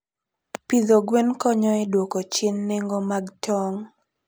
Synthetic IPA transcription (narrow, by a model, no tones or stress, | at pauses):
pid̪oɡwenkɔɲɔɛdwokot͡ʃɪnːeŋɡomaɡtʰɔŋ